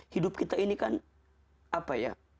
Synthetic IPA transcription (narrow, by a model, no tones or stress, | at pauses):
hidʊp̚kit̪ainikan | apaja̰